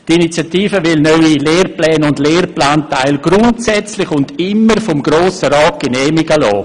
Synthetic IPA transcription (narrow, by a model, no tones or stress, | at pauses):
tinit͡sjatiːfəvɪlnœʏileːrplɛːnʊndleːrplaːntaɪlɡ̥ɾʊntsɛt͡slɪçʊndɪmːəɾfɔmɡɾoːsəɾaːt̚ɡ̥ənɛːmɪɡəlɔ̰ː